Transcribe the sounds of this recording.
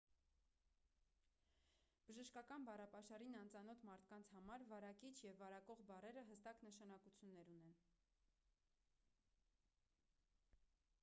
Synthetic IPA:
b̥əʒəʃkɑkɑnbɑrɑpɑʃɑɾinɑnt͡sɑnɔt̪ʰmɑɾt̪ʰkɑnt͡sʰhɑmɑɾvɑɾɑkit͡ʃʰjɛvːɑɾɑkɔʁbɑrɛɾəɦəst̪ɑknəʃɑn̪ɑkut͡sʰjunːɛɾunɛn

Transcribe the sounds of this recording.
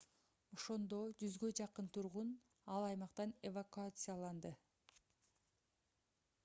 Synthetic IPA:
o̞ʃo̞nd̪o̞d͡ʒyzɡød͡ʒɑqɯnt̪ʰuɾʁun | ɑlˠɑjmɑqt̪ɑnevakuat̪sɨjalˠɑnd̪ɯ

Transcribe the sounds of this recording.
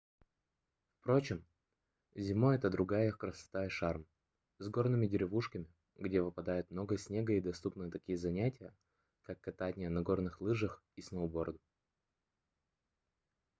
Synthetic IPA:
fpɾo̞t͡ɕɪm | zʲɪmoɛt̪əd̪ɾʊɡajəkɾəsɐ̥t̪aɪʂarm | zɡo̞rnɨmʲɪdʲɪɾʲɪvuʂkəmʲɪ | ɡdʲevɨpɐd̪ajʊt̪mno̞ɡəəsʲnʲe̞ɡəid̪ɐst̪upnɨjət̪ɐkʲijəzɐnʲætʲɪjə | kakːɐt̪anʲɪjənɐɡo̞rnɨxlˠɨʐəxisnəʊbo̞rd̪ʊ

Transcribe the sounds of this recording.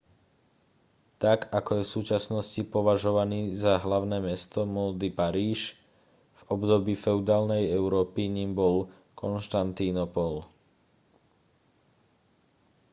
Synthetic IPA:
t̪akakɔjɛfsuːt͡ʃasnɔscipɔʋaʒɔʋaniːzaɦlaʊnɛːmɛst̪ɔmɔld̪ipaɾiːʃ | v̥ɔbd̪ɔbiːfɛʊd̪aːlnɛjɛʊɾɔːpiɲimbɔl | kʰɔnʃt̪ant̪inɔpɔl

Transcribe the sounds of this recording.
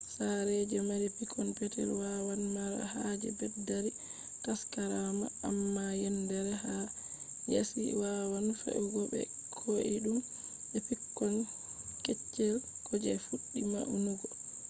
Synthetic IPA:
saɾɛd͡ʒɛmaɾipikʰːɔnpɛtɛ̰lwawanmaɾa̰had͡ʒɛ̰bɛdːaɾi | kaskaɾama̰ːmːajɛndɛɾɛha | ja̰sḭwawanfḛʔuɡɔbɛ̰kʰoʔiɗum | ɓɛpikːɔnkɛt͡ʃːɛl | kʰɔd͡ʒɛ̰fuɗːima̰ʔunuɡɔ

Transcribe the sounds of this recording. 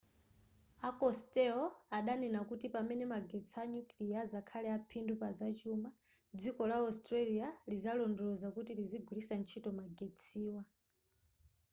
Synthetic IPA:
akɔstɛɔaɗanɛnakutipamɛnɛmaɡɛt͡sʰaɲuklijazakʰalɛapʰindupazat͡ʃuma | d͡zikɔlaɔstɾalializalɔndɔzakutiliziɡʱulisant͡ʃʰitɔmaɡɛt͡sʰiːwa

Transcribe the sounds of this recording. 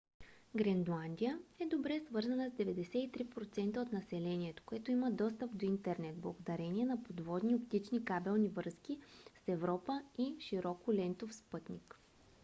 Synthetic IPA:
ɡɾɛnd̪lˠand̪ijəɛd̪obɾɛsvɤɾzɐnəzd̪ɛvɛd̪ɛsɛit̪ɾipɾot̪sɛnt̪əot̪nɐsɛlɛniɛt̪o̥koɛt̪oiməd̪ɔst̪əpd̪oint̪ɛɾnɛt̪̚blˠɐɡod̪ɐɾɛniɛnɐpod̪vɔd̪niopt̪it͡ʃnikabɛlˠnivɤɾsk̟isɛvɾɔpəiʃiɾɔkʊlɛnt̪ofspɤt̪nʲik

